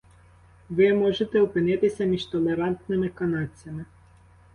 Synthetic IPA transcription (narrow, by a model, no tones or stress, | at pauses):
ʋɪmɔʒet̪ɛɔpɪnɪt̪ɪsʲɐmʲiʒt̪ɔlˠeɾɑnt̪nɪmɪkɐnɑt͡sʲjɐmɪ